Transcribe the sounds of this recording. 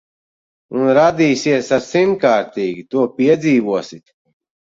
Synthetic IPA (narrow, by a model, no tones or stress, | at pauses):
unɾad̪iːsiɛsaɾsimkaːɾt̪iːɡit̪uɔpiɛd̪ziːvuɔsit̪